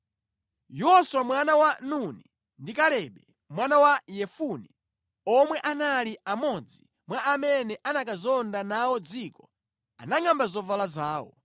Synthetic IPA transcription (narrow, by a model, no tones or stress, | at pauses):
jɔswamwanawanuni | ndikalɛɓɛ | mwanawajɛfuni | ɔmwɛʔanaliamɔd͡zi | mwaamɛnɛʔanakazɔndanawɔd͡zikɔ | a̰naŋambazɔvalazaːwɔ̰